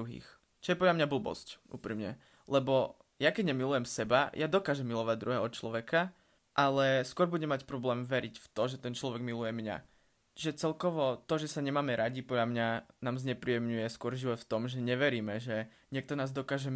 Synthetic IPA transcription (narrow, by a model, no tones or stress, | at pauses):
uɦḭːx | t͡ʃɔjɛpɔd̪lʎamɲabl̩bɔ̰scʔṵːpɾimɲɛ̰ | lɛbɔ | jakɛɟɲɛmilujɛmsɛbajad̪ɔkaːʒɛmːilɔʋaɟ̚d̪ɾuɦɛɔt̪̚t͡ʃlɔʋɛka | ʔalɛskwʊɔɾbuɟɛmacpɾɔblɛːmʋɛɾicft̪ɔʒɛt̪ɛnt͡ʃlɔʋɛɡmilujɛmɲa̰ | iʒɛt͡sɛlkɔʋɔt̪ɔʒɛsaɲɛmaːmɛɾaɟipɔdlʎamɲanaːmzɲɛpɾijɛmɲujɛskʊɔɾʒiʋɔt̪ft̪ɔmʒɛɲɛʋɛɾiːmɛʒɛ | ɲɪɛk̚t̪ɔnaːzd̪ɔkaːʒɛ